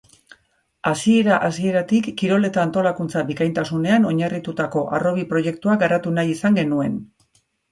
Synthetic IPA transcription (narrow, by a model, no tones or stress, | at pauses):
asie̞ɾaʔasie̞ɾat̪ikːiɾo̞le̞t̪aːnt̪o̞lakunt͡saβikajnt̪asune̞ano̞ɲarit̪ut̪ako̞ʔaro̞β̞ipɾo̞je̞k̚t̪uaɡaɾat̪unajisaŋɡe̞nue̞n